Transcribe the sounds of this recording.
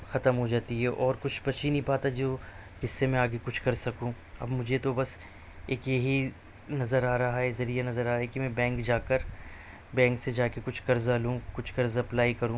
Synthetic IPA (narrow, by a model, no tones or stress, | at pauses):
xɐt̪əmɦod͡ʒaːt̪iɦɛʔɔːɾkʊt͡ʃʰbɐt͡ʃinĩbaːt̪ɦɛd͡ʒoː | kɪsːemẽaːɡekʊt͡ʃʰkɐɾsɐkũː | ɐ̰bmʊd͡ʒʱet̪obɐs | eːkjɐɦi | nɐzəɾaːɾɐɦaɦɛzɐɾijanɐzəɾaːɾaɦɛkimɛ̃bɛ̃ːŋkd͡ʒaːkəɾ | bɛ̃ːŋksed͡ʒaːkekʊt͡ʃʰkɐɾzalũːkʊt͡ʃʰkɐɾzɐplaːikɐɾũː